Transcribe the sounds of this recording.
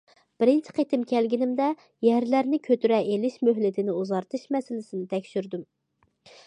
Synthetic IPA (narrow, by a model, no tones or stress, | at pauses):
b̥ɪɾɪnt͡ʃʰɪ̥qʰet̪ʰɪmkʲʰɛlɡʲinɪmd̪ɛ | jɛɾlæɾnɪkʲʰøt̪yɾɛʔelɪʃmøɦlɪt̪ʰɪnɪuzɑɾt̪ʰɨʃmɛsɪlɪsɪnɪt̪ʰɛkʲʃyɾd̪ym